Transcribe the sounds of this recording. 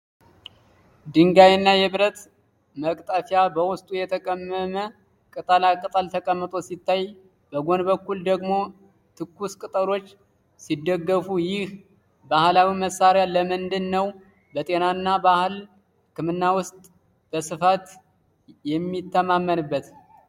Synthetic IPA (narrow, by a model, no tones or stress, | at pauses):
d̪ɨŋɡajnːajɛβɨɾət̪ | məkʼt̪ʼəfjabəwʊst̪ʼujɛt̪ʰəkʼəmːəmə | kʼɨt̪ʼəlakʼːət̪ʼalt̪ʰəkʼəmːət̪ʼo̞sit̪ːaj | bəɡo̞nbəkːuld̪əɡmo̞ | t̪ʰɨkːuskʼɨt̪ʼəlo̞t͡ʃː | sid̪ːəɡːəfujɪh | bahlawiməsːaɾjaləmɨnd̪ɨnːəw | bət̪ʼe̞nanːabahɨl | kʰɨmɨnːawʊst̪ʼ | b̥əsɨfat̪ | jɛmːit̪ːəmamːənɨbːət̪